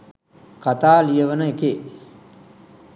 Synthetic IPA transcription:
kat̪aːlijəʋənəeke

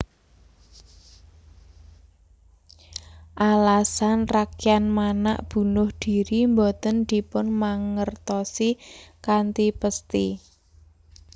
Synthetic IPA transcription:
ʔalasanrakianmana̰ʔb̥ṳnʊhd̪̥i̤ɾimbɔt̪ənd̪̥i̤pʊnmaŋərt̪ɔsikant̪ipəst̪i

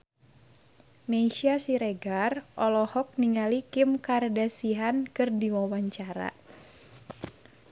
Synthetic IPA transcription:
meʃiasiɾeɡarʔɔlɔhɔk̚niŋalikɪmkardasiɦankɨrdiwawaɲt͡ʃaɾa̰

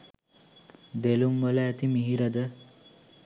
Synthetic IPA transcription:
d̪elumʋələæt̪imiɦiɾəd̪ə

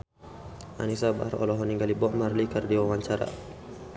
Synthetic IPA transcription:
ʔa̰nisaba̰aɾɔ̰lɔɦɔniŋɡalibɔʔmarlikərdiwawaɲt͡ʃaɾa̰

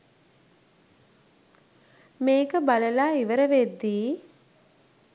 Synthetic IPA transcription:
meːkəbaləlaːiʋəɾəʋed̪ːiː

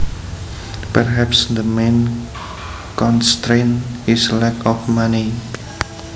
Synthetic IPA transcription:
pəɹɦɛpsd̪əmẽn | kɔ̃nst̪ɹẽnislɛkɔfmani

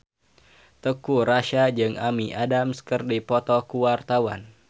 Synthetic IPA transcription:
t̪əkuɾaʃad͡ʒɨŋamiʔadamskərdipɔt̪ɔkuwart̪awa̰n

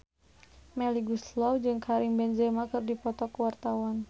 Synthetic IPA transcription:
mɛliɡuslɔwd͡ʒɨŋkʰaɾiŋbɛnd͡ʒɛmakərdipɔt̪ɔkəwart̪awan

